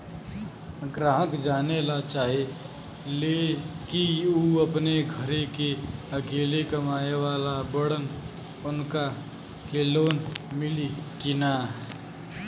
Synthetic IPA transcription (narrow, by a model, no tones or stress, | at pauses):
ɡɾaːɦəkd͡ʒaːnelat͡ʃaːɦe | leːkiuːɐpneɡʱəɾekeɐkeːlekɐmaːewaːlabəɽən | ʊnka | keːloːnmɪlikɪnaː